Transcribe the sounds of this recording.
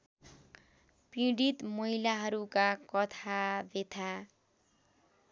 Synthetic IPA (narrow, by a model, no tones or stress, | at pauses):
pĩɽit̪mʌɦilaɦʌɾukakʌt̪ʰabet̪ʰa